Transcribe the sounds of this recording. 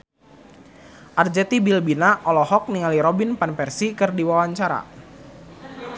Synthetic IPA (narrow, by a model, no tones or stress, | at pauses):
ʔard͡ʒɛt̪ibilbinaʔɔlɔhɔk̚niŋaliɾɔbinpanpɛrsikɨrdiwawaɲt͡ʃaɾa̰